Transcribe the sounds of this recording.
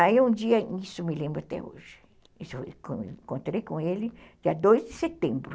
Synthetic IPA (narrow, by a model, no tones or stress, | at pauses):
aeũd͡ʒiɐnisʊmɪlẽmbɾʊat̪ɛ̰o̰ʒɪ | kõkõnt̪ɾejkõelɪd͡ʒiɐd̪ojzd̪ɪset̪ẽmbɾʊ